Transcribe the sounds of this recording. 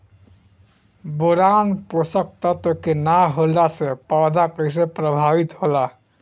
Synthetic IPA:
boɾanposək̚t̪at̪okenaɦolasepad̪akəjs̬epɾəbʱabit̪ɦola

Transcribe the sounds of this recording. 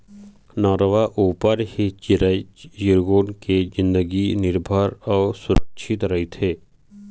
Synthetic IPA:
nɔːɾəʋaʔuːpəɾhit͡ʃiɾəjɪɾɡoːnkezɪ̃nd̪əɡinɪɾbʱəɾɔːsʊɾəkʃʰɪt̪ɾɐɦit̪ʰeː

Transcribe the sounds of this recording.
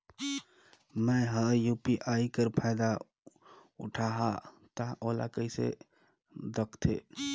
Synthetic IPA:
məɦəjupiʔaikəɾpʰaɪd̪a | ṵʈʰaɦa | t̪aʔola̰kəɪsḛ | d̪əkʰt̪ʰḛ

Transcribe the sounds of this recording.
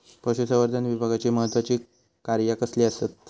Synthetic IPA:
pəɕusəʋəɾd̪ʱanʋibʱaɡat͡ɕeməɦət̪ʋat͡ɕiː | kaɾjakəsliːəst̪at̪̚

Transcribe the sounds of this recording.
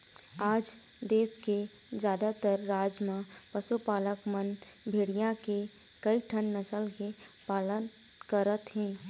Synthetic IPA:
aːd͡ʒ | d̪eːske | d͡ʒjaːd̪at̪əɾːaːd͡ʒmãpəsupaːləkmən | bʱeːɽijãke | kəiʈʰənːəsəlkepaːlən | kəɾət̪ɦɛ̃ː

